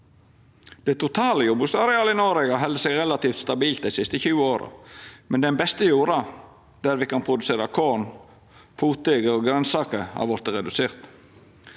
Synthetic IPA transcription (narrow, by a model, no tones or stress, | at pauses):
d̪̥ɛt̪ʰʊt̪ʰɑːləjɔbʉsɑɾɛɑːləɪnɔɾɛɡɑɦɛld̪əsɛːɡɾɛlɑt̪iːft̪st̪ɑbiːlt̪̚d̪ɛɪsɪst̪əçʉːəoːɾə̰mɛnd̪ɛnbɛst̪əjuːɾɑ | d̪̥æɾʋɪkɑnpʰɾʊd̪ʉseːɾɑkʰoːn | pʰuːt̪eɡəɔɡɾɛnsɑːkəɾhɑ̰ɾʋɔɾt̪əɾɛd̪ʉseːɾt̪